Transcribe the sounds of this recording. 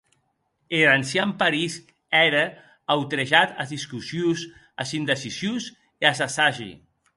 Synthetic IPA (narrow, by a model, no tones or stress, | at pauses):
eɾansjampaɾiz | ɛɾə | awt̪ɾeʒat̪azðiskusjus | asind̪əsisjuz | easasaʒḭ